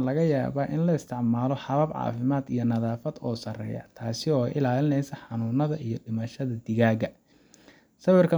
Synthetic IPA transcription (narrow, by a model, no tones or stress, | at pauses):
lɐɣɐja̰ːβaːʔɪnlɐɪst̪ʰɪʕmaːlɔħɑβɐbʕɑ̰ːfɪmaːd̪ijɞnɐðaːfɐd̪ɔːsɐrɛ̰ːjɐ̰t̪ʰaːsɪɔːʔɪlaːlɪnɛjsɐħɑnuːnɐðɐʔijɔɖɪmɐʃɐðɐd̪ɪɣaːɣɐ | sɐwɪrkʰɐ